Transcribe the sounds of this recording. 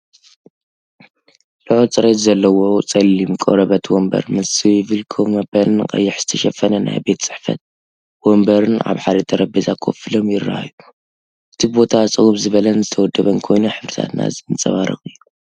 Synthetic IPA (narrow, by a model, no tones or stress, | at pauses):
lɨʕot͡sʼɨɾet̪zɐlːɐwo̞t͡sʼɐlːimkʼo̰ɾɐβɐt̪ʰwombɐ̰ɾmɐsɨjɪβɨlkʰomɐbɐlɨnkʼɐ̰jːɪħz̥ɨ̥t̪ʰɐʃɐfɐnɐna̰jbe̞t̪t͡sʼɨ̥ħfɐ̰t̪̚ | wombɐɾɨnʔa̰βħaɾɐt̪ʰɐɾɐbizakʰo̰fɨlo̞mjɪrːa̰ha̰ju | ʔɨt̪ʰibo̞t̪ʰat͡sʼɨɣuβzɨβɐlɐnzɨt̪ʰɐwɔd̪ːɐβɐnkʰo̞jnuħɨfɾɨt̪ʰa̰t̪na̰zɨɨnt͡sʼɐ̰βaɾɨ̰xʼɨjːu